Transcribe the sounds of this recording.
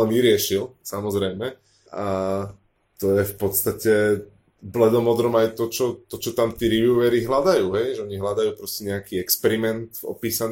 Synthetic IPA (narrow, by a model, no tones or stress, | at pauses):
lɛnʋiɾɪɛʃilsamɔzɾɛjmɛ | a | t̪ɔjɛfpɔt̪st̪acɛ | blɛd̪ɔmɔd̪ɾɔmajt̪ɔt͡ʃɔt̪ɔt͡ʃɔt̪amt̪iːɾiʋjiuʋɛɾiɦlad̪ajuːɦɛjʒɛɔɲiɦlad̪ajuːpɾɔscɛɲɛakiːɛkspɛɾimɛnt̪vɔ̰piːsan